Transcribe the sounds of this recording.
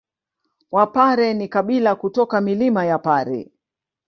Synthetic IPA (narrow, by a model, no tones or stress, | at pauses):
wapaɾɛnikaɓilakutɔkamilimajapaɾɛ̰